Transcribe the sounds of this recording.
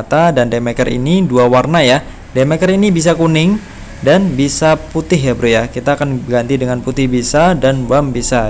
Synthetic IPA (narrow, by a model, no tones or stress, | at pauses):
t̪adandemɛkərḭniduawarnaja | demɛkəɾinibis̬akunɪŋ | danbisaput̪ɪɦjabɾujakit̪aːkanɡant̪idəŋanput̪ɪhbisadanbambisa